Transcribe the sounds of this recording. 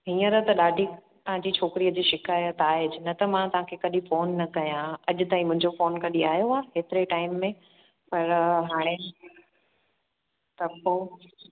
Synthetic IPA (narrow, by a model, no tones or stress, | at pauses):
ɦĩːə̃ɾɐɦt̪ɐɗaːɖʱi | t̪ɐɦãɲd͡ʑiːt͡ɕʰoːkɪɾiəd͡ʑiːʃɪkaːjət̪aːɦeːd͡ʑɪnɐt̪ɐmãt̪ɐɦãkʰekɐɗĩfoːnːɐkɐjãɐʄʊt̪aːĩmʊ̃ɦɪ̃ɲd͡ʑofoːnkɐɗiaːɦjoaːɦeːt̪ɪɾeʈaːɪmːẽ | pɐɾɦaːɽ̃e | t̪ɐko